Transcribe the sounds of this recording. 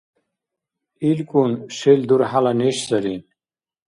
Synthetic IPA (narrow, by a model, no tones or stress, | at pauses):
ilkunɕeld̪uɾɦalaneɕzɐɾin